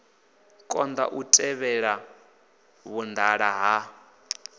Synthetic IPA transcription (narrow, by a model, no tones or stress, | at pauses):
kʼɔnd̪a̰ʔutʼɛβɛɺa | βund̪aɺaɦa